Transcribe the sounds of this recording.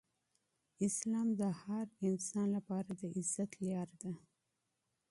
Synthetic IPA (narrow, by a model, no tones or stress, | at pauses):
ɪslɑmd̪əhaɾɪnsɑnlapɑɾad̪əʔɪzːat̪ljɑɾd̪a